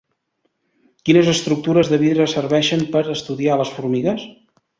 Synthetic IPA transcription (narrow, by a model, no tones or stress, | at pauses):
kinəzəst̪ɾuk̚t̪uɾəzðəβiðɾəsərβɛʃəmpəɾəst̪uðialəsfuɾmiɣəs